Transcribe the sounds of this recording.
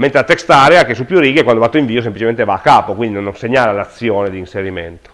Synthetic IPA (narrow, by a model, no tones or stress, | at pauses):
ment̪ɾeat̪ːekst̪aːɾeakesupːjuriːɡekwand̪obat̪ːoiɱviːos̬emplit͡ʃement̪evaːkːaːpokwind̪inonːonseɲːaːlalat̪sːjɔːned̪iːnseɾiment̪o̥